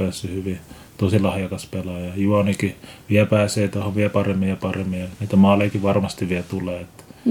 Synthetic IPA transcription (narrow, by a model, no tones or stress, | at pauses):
æˑsːyhyʋi | t̪osilɑhjɑkɑspelɑjɑjuɑnikiʋiæpæːseːt̪uɑhoʋʋiæpɑremːijjɑpɑremːijɑniːt̪æmɑːlːˑekiʋʋɑrmɑst̪iʋʋiæt̪uleːet̪ː